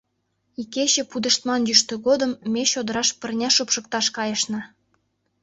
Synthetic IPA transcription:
ikeɕĕpud̪ə̆ʃt̪mɑnjyʃt̪ø̆ɡod̪ɤ̆mːeɕod̪ə̆ɾɑʃpə̆rnʲæʃupʃɤ̆kt̪ɑʃkɑjɤ̆ʃnɤ̆

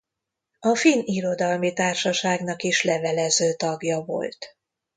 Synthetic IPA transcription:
ɒfiniɾo̞d̪ɒlmit̪aːrʃɒʃaːɡnɒkiʃlɛvɛlɛzøːt̪ɒɡjɒvo̞̰lt̪

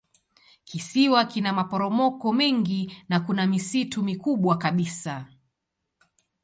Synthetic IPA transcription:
kisiwakinamapɔɾɔmɔkɔmɛŋɡinakunamisitumikuɓwakaɓisa

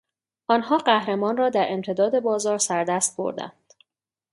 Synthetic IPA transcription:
ʔɒːnhɒːɢæhɾe̞mɒːnrɒːd̪æɾʔe̞mt̪ʰe̞d̪ɒːd̪e̞bɒːzɒːɾsæɾd̪æst̪̚bo̞̰ɾd̪æ̰nd̪̥

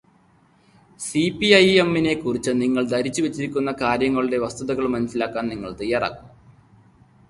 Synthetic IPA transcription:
sipːiɐjemːine̞kːurit͡ɕːɨniŋːɐɭd̪ɐɾit͡ɕːuʋet͡ɕːiɾikʲːunːɐkaːɾjɐŋːɐɭiɽe̞ʋɐst̪uðɐɣɐɭmɐnɐsilaːkːaːnniŋːɐɭt̪ɐjːaːra̰ːkːunː

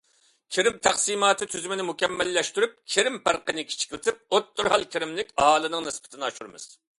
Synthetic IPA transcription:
kʲʰeɾɪmt̪ʰæχsimɑːt̪ʰɨt̪ʰyzmɪnɪmukʲɛmːɛlːɛʃt̪yɾyp̚kʲʰeɾɪmpæɾqənɪkʲʰi̥t͡ʃʰi̥kʲlɪt̪ʰɪp̚ot̪ːuɾhɑlˠkʲʰiɾɪmlɪkʲɑhɑːlˠɨnɨŋnɨspɪ̥t̪ʰɪnɨɑʃuɾɨmɨ̰z̥

